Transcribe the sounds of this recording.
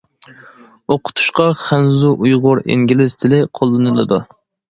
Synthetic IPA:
oqʰʊ̥t̪ʰu̥ʃqɑχænzuʔujʁʊɾḛŋɡʲilɪzt̪ʰɪlɪqʰolˠːɨnɨlˠɨd̪u

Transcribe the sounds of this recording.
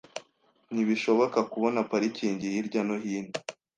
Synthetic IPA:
niβiʃo̞βo̞kakuβo̞napaɾiciːɲɟihiɾɟanoɦiːni

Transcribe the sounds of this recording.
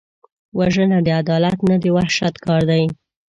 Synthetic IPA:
waʒənad̪əad̪ɑlat̪nad̪ewahʃat̪kɑɾd̪aj

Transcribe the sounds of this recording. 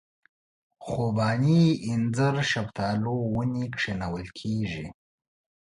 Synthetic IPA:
xobɑːniɪnzəɾʃabt̪ɑːlowənikʂenawəlkʰeʐḭ

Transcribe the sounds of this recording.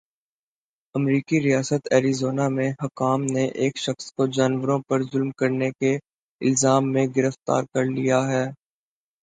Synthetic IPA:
ɐmɾiːkiɾijaːsət̪ɛːɾizoːnamẽɦɐkaːmneʔeːkʃɐxskod͡ʒaːnʋəɾõpɐɾzʊlmkɐɾneke | ɪ̰lzaːmːẽɡɪɾəft̪a̰ːɾkɐɾlijaɦɛː

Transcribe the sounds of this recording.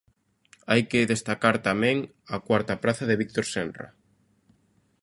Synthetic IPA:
ajkɪðest̪akaɾt̪amɛ̃ŋ | akwaɾt̪apɾaθɐðɪβik̚t̪oɾsɛnra̰

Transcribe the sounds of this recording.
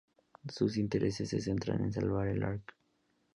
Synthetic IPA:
sus̬int̪eɾʔesesːesent̪ɾa̰nḛns̬alβaɾelaɾk

